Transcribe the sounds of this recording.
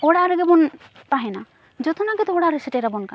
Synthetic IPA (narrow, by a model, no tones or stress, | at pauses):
ɔɽaɾɛɡɛbɔn | paɦena | d͡ʒɔt̪ʰɔnaɡɛt̪ɔɔɽaɾesɛʈeɾabɔnka